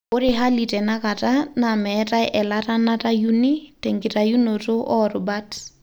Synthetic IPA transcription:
o˦ɾɪ˦ɦa˦li˨tɛ˨na˦ka˨ta˦namɛ˦ta˦ʔɛ˨la˦ta˦na˦ta˦ju˦ni˦tɛ˨ŋɡɪ˨ta˨ju˦no˨to˦ʔɔ˦ɾʊ˨ba˦t

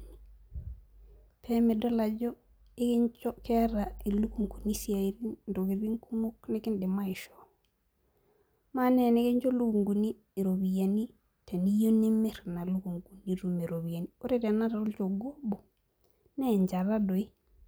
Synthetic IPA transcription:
pʰeme˨do˦la˨d͡ʒo˦ | e˦ke˦ɲt͡ʃo˦ke˦a˦ɾa˨e˨lu˦ku˨ŋɡu˨ni˦si˦a˨i˦ɾi˦ndo˨ke˨ɾi˦ŋku˦mo˦kne˦kɪ˦nde˨ma˦i˨ʃo̥˨ | ma˦ne˦˨neke˦ɲt͡ʃo˦lu˦ku˨ŋɡu˨ni˦ | e˨ɾo˨βi˨ja˨ni˦ | ta˨ni˦jo˦ne˦me˦ɾna˨lu˦ku˨ŋɡu˨niɾu˨me˨ɾo˨βi˨ja˨ni˦o˦ɾe˦ɾa˨na˦ɾa˨ɾu˦lt͡ʃo˨ɡo˦bo˨ | ne˦˨ɲd͡ʒa˨ɾa˦do˨i˦

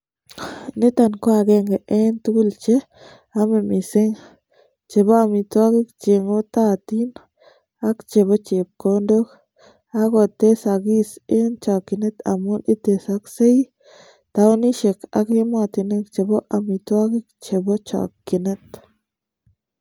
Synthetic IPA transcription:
ni˦t̪a˨nko˦a˧˨ɡe˦ŋɡe˨ʔe˦nt̪u˦ɡi˦lt͡ʃe˦ | a˦me˨mi˨se˦ŋ | t͡ʃe˨bo˦a˨mi˨t̪wa˦ɡi˦k̚t͡ʃe˨ŋo˦t̪a˦t̪i˦n | a˦kt͡ʃe˨bo˦t͡ʃe˨p̚ko˦ndo˦k | a˦ɡo˨t̪ːe˦sa˨ɡi˦se˦nt͡ʃa˨kːi˨ne˦t̪a̰˨mu˦ni˦t̪e˨sa˦kse˦j | t̪a˨wni˦ʃe˨ka̰˨˦ki˦ma˦˧t̪i˨ne˦k̚t͡ʃe˨bo˦ʔa˨mi˨t̪wa˦ɡi˦k̚t͡ʃe˨bo˦t͡ʃa̰˨kːi˨ne˦t̪

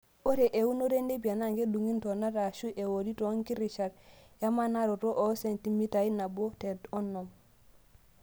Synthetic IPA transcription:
o˦ɾe˨ʔe˨wu˦no˦ɾe˦nde˦bi˨a˨na˦˨ŋke˦du˨ŋi˦nto˨na˦ɾa˨ʃu˦ʔe˨wo˨di˦to˦ŋki˦ɾi˨t͡ʃa˨ɾ | ja˦ma˦na˦ɾo˨ɾo˦ʔo˨se˨nti˦mi˦ta˨i˦na˨bo˦te˨to˦nːo˨m

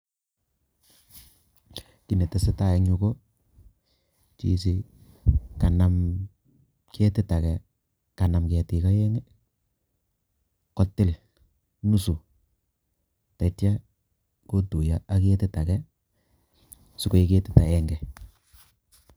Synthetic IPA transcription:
ki˨ne˨tɛ˨sɛ˦ta˨ɛ˨ɲu˨ko˦ | t͡ʃḭ˦si˦ | ka˨na˨m | ke˦te˦ta˨kɛ˨ | ka˨na˨mke˨ɛ˨ti˨ka˦jɛ˦ŋɛ˦ | kɔ˨tɪ˦˨l | nu˦su˨ | ta˨tja˦ | ko˦tu˨ja˨a˦ke˦te˦ta˨kɛ˦ | su˦ko˦i˦ke˦tɪ˦ta˨ɛ˨ŋɡɛ˨

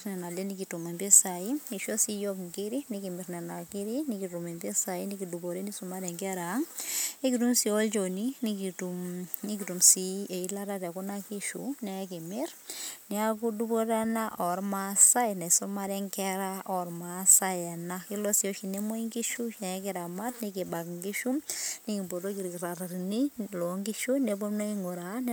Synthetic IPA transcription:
nɛ˨na˨le˦ni˦ki˨tu˨ma˨mbe˦sa˨i˦i˨ʃo˦si˦jo˦kŋɡi˦ɾi˦niki˨mɪ˨ɾnɛ˨na˨ki˦ɾi˦niki˨ɾu˨me˨mbe˦sa˨i˦nikidu˨bo˨ɾe˦nisuma˦ɾɛ˨ŋɡɛ˦ɾa˨˦ŋe˦ki˨tu˦msi˨˦ɔ˦lt͡ʃo˨ninikitumni˦ki˨tu˨msi˦e˨ila˦ɾa˦ɾɛ˨ku˦na˦ki˦ʃṵnɛ˨k̬ɪ˨mɪ˦ɾni˦a˦k̬u˦du˦bo˦ɾa˦na˦ʔɔ˨ɾma˨sa˦ina˨su˦ma˦ɾɛ˦ŋkɛ˦ɾa˦ʔɔ˨ɾma˨sa˦ja˨na˨ki˦lo˦si˦o˦ʃi˨ne˦mo˦i˦ŋɡi˦ʃu˦ʃna˨˦ki˨ɾa˨ma˦tni˦ki˨ba˨kŋɡi˦ʃu˦mni˦ki˨mbo˨ɾo˦ki˨ɾi˨kɾa˨ɾa˨ɾi˨ni˦lo˨ŋɡi˦ʃu˦ne˦bo˦ne˦i˦ŋo˨ɾa˨˦n˦

